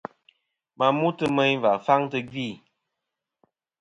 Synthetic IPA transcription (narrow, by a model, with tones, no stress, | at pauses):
ma˨mu˦tɨ˦mɛ˦ɲva˨fa˦ŋtɨ˦ɡi˦˨